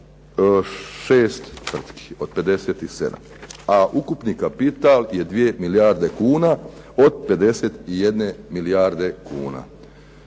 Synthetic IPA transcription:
ʃeːst̪t̪ʋr̩t̪ki̥o̞d̪̚pe̞d̪e̞se̞ːt̪ise̞̰d̪a̰m | aʔukupnikapit̪alje̞d̪ʋije̞milijaːɾd̪e̞kuːna | o̞d̪̚pe̞d̪e̞se̞t̪ijed̪ne̞milijaːɾd̪e̞kṵːna̰

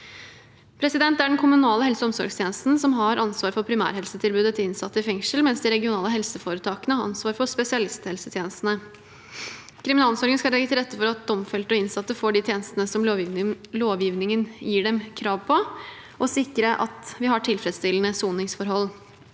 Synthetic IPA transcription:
pʰɾɛsɪd̪ɛnt̪æɖɛnkʰʊmʉnɑːləhɛlsəɔmsɔ̰ɾɡst̪ʰeːnəst̪n̩sɔmɦɑɾʔɑnsʋɑːɾfɔɾpʰɾɪmæ̰ːɾɦɛlsət̪ʰɪlbʉːd̪ət̪ʰɪlɪnsɑt̪ːəɪfɛŋʂəlmɛnsd̪ɪɾɛɡɪʊnɑːləɦɛlsəfoːɾət̪ʰɑːkənəhɑɾɑ̰nsʋɑːɾfɔspɛsɪɑlɪst̪hɛlsət̪ʰjeːnəst̪n̩ə | kʰɾɪmɪnɑːlsɔɾŋənskɑlɛɡət̪ɪlɾɛt̪ːəfɔɾɑt̪̚d̪ɔmfɛlt̪ɔɪnsɑt̪ːəfoːɖɪt̪ʰjeːnəst̪ənəsɔmloːʋjiːʋnɪŋənjiːɖɛmkʰɾɑːʋpʰɔ | ʔɔsɪkːɾəʔɑ̰t̪ʋɪhɑʈʰɪlfɾɛd̪st̪ɪlənəsuːnɪŋsfɔɾɦɔlː

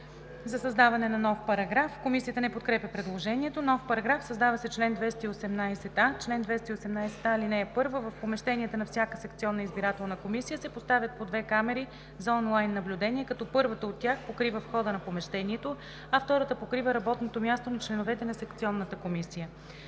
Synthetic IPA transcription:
zɐsɐzd̪avɐnɛnɐnɔfpɐɾɐɡɾafkomisiət̪ənɛpot̪̚kɾɛpʲəpɾɛd̪lˠoʒɛniɛt̪onɔfpɐɾɐɡɾafsɐzd̪avɐsɛt͡ʃlɛnd̪vɛst̪əiosɛmnajsɛt̪at͡ʃlɛnd̪vɛst̪əiosɛmnajsɛ̥t̪ailinɛːpɤɾvəvəfpomɛʃt̪ɛniət̪ənɐfsʲjakəsɛkt̪siɔnːəizbiɾat̪ɛlˠnəkomisijəsɛpost̪avʲjət̪̚pod̪vɛkamɛɾi | zɐɔnlˠajnːɐblʲud̪ɛnʲiɛkɐt̪ɔpɤɾvət̪əot̪ːʲjaxpokɾivəfxɔd̪ənɐpomɛʃt̪ɛniɛt̪o | ɐft̪ɔɾət̪əpokɾivəɾɐbɔt̪not̪omʲjast̪onɐt͡ʃlɛnovɛt̪ɛnɐsɛkt̪siɔnːət̪əkomisijə

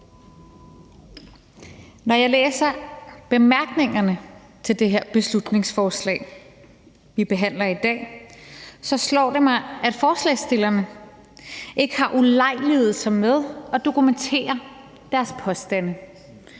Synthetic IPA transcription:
nɒjɑ̈ɪleːsɐb̥e̝mæɐɡ̥ne̝ŋɐnə | t͡sʰe̝ld̥e̝ɦe̝ɐ̰b̥e̝slud̥ne̝ŋsfɒːslɛ̰ːɪ | ʋib̥e̝ɦæn̰lɐid̥ɛ̰ː | sɒ̽slɒ̰ːd̥e̝mɑ̈ɪæd̥fɒːslɛ̰ɪsd̥e̝lɐnə | ʔe̝ɡ̥əhɑ̈ʔulɑ̈ɪ̰lið̩ˠsɑmeð̞ˠɒ̽d̥o̝kʰument͡sʰe̝̰ːɐ | d̥æɐspʰɒ̽sd̥ænə

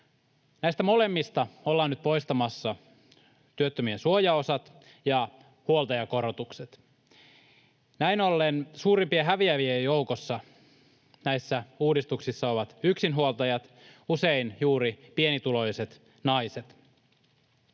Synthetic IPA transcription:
næist̪æmo̞le̞mːist̪ɑolːɑːnːyt̪̚po̞jst̪ɑmɑsːɑ | t̪yøt̪ːømiensuojɑosɑt̪ | jɑ | huolˠt̪ɑjɑko̞ɾot̪ukse̞t̪ | næinolːensuːɾimpieɦæʋiæʋiejjo̞wkosːɑ | næjsːæuːdist̪uksisːɑo̞ʋɑt̪yksinɦuolˠt̪ɑjɑt̪ | use̞injuːɾipie̞nit̪ulo̞jse̞t̪ | nɑjset̪

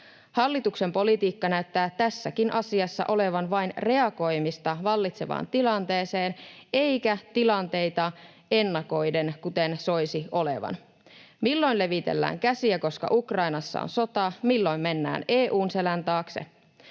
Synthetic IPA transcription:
hɑlːit̪ukse̞mpo̞lit̪iːkːɑnæyt̪ːæːt̪æsːækinʔɑsiɑsːɑ̰ʔo̞le̞ʋɑnʋɑjnre̞ɑko̞jmist̪ɑʋɑlːit̪se̞ʋɑ̰ːnt̪ilɑnt̪e̞ːse̞ːne̞jkæt̪ilɑnt̪e̞jt̪ɑ | e̞nːɑko̞jde̞nkut̪e̞nso̞jsio̞le̞̰ʋɑ̰n | milːo̞jnle̞ʋit̪e̞̰lːæ̰ːŋkæsiæko̞skɑ̰ʔukrɑjnɑsːɑ̰o̰nso̞t̪ɑmilːo̞jmme̞nːæ̰ːne̞ːʔuːnse̞lænt̪ɑːksḛ

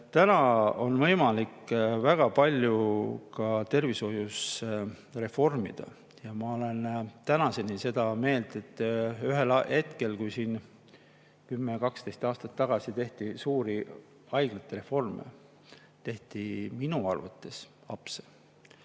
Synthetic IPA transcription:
t̪ænɑo̞nvɤ̞jmɑlikvæɡ̥ɑpɑlʲjukɑt̪e̞rviso̞jus | re̞fo̞rmḭd̪̥ɑ̰ | jɑmɑo̞le̞nt̪ænɑse̞nise̞d̪̥ɑme̞ːld̪̥e̞t̪ːˑyɦe̞lhe̞t̪ke̞lkujsiːn | kymːekɑkst̪e̞jst̪ɑːst̪ɑt̪ːɑɡ̥ɑsit̪e̞ht̪isuːɾi | ɑjɡlet̪ːˑeɾe̞fo̞rmḛ | t̪e̞ht̪iminuɑ̰rvṵt̪ːˑe̞s | ɑ̰pse

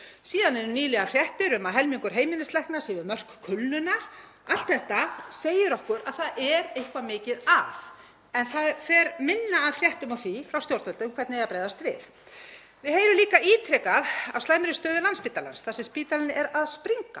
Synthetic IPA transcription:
siːðanɛɾʏniːlɛɣafɾjɛht̪ɪɾʏmaðɦɛlmiŋkʏɾ̥ɦeːjmɪnɪst̪lɛhknasɪvɪɾmœr̥kkʰʏlnʏna | al̥t̪θɛht̪aseːjɪɾɔhkʏɾaðθaðʔɛɾejhkvamɪːcɪðaθ | ɛnθafɛɾmɪnːaːðfɾjɛht̪ʏmawθifɾawst̪jowɾt̪vœlt̪ʏmkʰvɛɾt̪nɪɛjapɾajðast̪vɪ̰θ | vɪðheːjɾʏliːkaʔiːt̪ʰɾɛkaðawslaːjmɾɪst̪œːðʏlanspiːt̪ala̰nsθaðsɛmspiːt̪alɪnɪʔɛɾaðspɾiŋka̰

